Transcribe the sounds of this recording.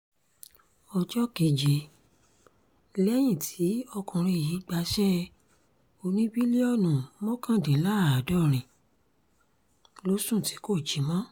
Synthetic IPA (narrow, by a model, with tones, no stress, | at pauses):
ɔ˧d͡ʒɔ˦ke˧˨d͡ʒe˧˦ | lɛ˦j̃ĩ˦˨tʰi˨˦ɔ˧kũ˨ɾ̃ĩ˧˨ji˨˦ɡ͡ba˧˦ʃɛ˦ | o˧nĩ˦bi˦le˦ɔ˦˨nũ˨mɔ̃˦kã˦˨dĩ˨˦la˦˨a˨dɔ˦˨ɾ̃ĩ˨ | lo˨˦sũ˦˨ti̥˨˦ko˦˨d͡ʒi˨˦mɔ̃˦